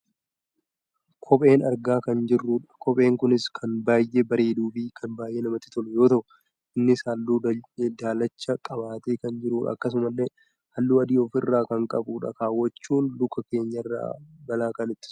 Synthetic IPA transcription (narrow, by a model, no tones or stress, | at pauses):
kʰɔpʼe̞ːnɐɾɡaːkɐnd͡ʒɪrːuːᶑɐ̥kɔpʼe̞ːŋkʊnɪskʰɐnbaːjʔebɐɾe̞ːd̪uːfɪkʰɐnbaːjʔeːnɐmɐt̪ːɪt̪ɔlʊjo̞ːt̪ɐʔʊ | ʔɪnːɪsɐlːuːd̪aːlɐt͡ʃːɐkʼɐβaːt̪eːkɐnd͡ʒɪɾuːᶑɐ̰ːkːɐs̬ʊmɐlːeː | hɐlːuːɐd̪iːɔfɪrːaːkɐŋkʼɐbuːᶑɐ̰kaːwːɐt͡ʃːuːnlʊkːɐke̞ːɲːɐɪrːa̰ːbɐlaːkɐnɪt̪ːɪ̥